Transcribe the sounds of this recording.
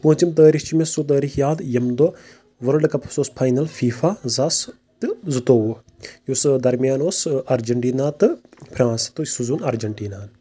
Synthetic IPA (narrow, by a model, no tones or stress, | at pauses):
pũːt͡ʃimt̪̬əːɾiht͡ʃimesut̪̬əːɾixjaːd̪jɐmd̪o | ʋɐɾɖɨkɐpʰsoːspʰaːjnɐlfʰiːfazas | t̪ɨzɨt̪oːʋu | jusd̪ɐɾmijaːnoːsɐɾd͡ʒɐɳʈiːnaːt̪ɨpʰɾaːnst̪ɨsuzuːnɐɾd͡ʒɐɳʈiːnaːn